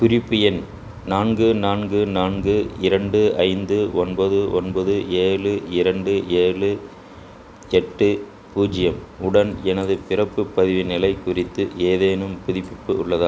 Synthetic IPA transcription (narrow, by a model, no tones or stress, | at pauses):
kʊɾɪpːɯjɛn | naːnɡɯnaːnɡɯnaːnɡɯɪɾɐɳɖɯɐɪnd̪ɯɔnbɐðɯʔɔnbɐðɯeːɻɯɪɾɐɳɖɯʔeːɻɯ | ɛʈːɯ | puːd͡ʒɪjɐmʊɽɐnɛnɐðɯpɪrɐpːɯpɐðɪʋɪnɪlɐɪkʊrɪt̪ːɯeːðeːnɯmpʊðɪpːɪpːɯʊɭːɐðaː